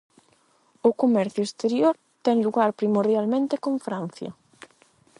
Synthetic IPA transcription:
ʊkomɛɾθjʊest̪eɾjoɾ | t̪ɛŋluɣaɾpɾimoɾðjalmẽnt̪ekõɱfɾan̟θjɐ̰

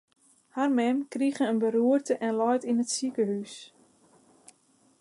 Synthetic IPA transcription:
harmɛmkriɣənənbəɾuərtəʔɛnlɔjtinətsikəɦys

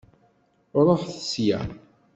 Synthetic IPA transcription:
ɾˤoħθəsjæ̰

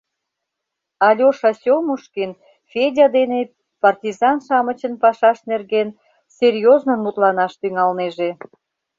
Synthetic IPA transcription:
ɑlʲoʃɑsʲomuʃken | fʲedʲɑd̪ene | pɑrtʲizɑnʃɑmə̆t͡ɕənpɑʃɑʃnerɣen | sʲerʲjoznonut̪lɑnɑʃt̪yŋɑlneʒe

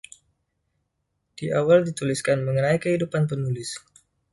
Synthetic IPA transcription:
d̥iʔawaldit̪uliskanməŋənaikəhidupanp̬ənulɪs

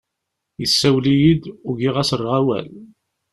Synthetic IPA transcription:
jəsːæwlijid̪ʊɡiʁæsərˤʁæwæ̰l

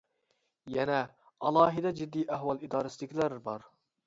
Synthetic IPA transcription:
jɛnɛ | ɑlˠɑːɦid̪ɛd͡ʒid̪ːijʔæɦwɑlˠid̪ɑːɾɛsilɪkʲlæɾbɑɾ

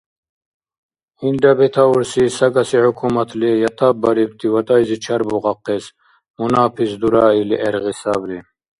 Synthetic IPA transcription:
ind̪abɛt̪ʰauɾsisaɡasihukʰumat̪ʰlijat̪ʰabaɾib̚t̪ʰivat̪ʼajzit͡ʃʰaɾbɔʁaqːɛs | munaːpʰisd̪uɾaːiliʔɛɾʁisabli

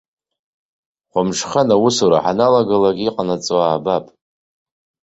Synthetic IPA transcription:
χʷʊmʂχanawusuɾa̰ħanalaɡalaɡʲiqʼanat͡sʼoaːbapʼ

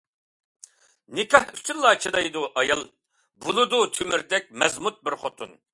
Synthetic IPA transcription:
nɪkʲɑhy̥t̪ynlˠɑːt͡ʃʰid̪ɑjd̪uʔɑjɑlˠ | bulˠud̪ut̪ʰymɪɾd̪ɛk̚ʲmɛzmut̪̚bɪɾχot̪ʰun

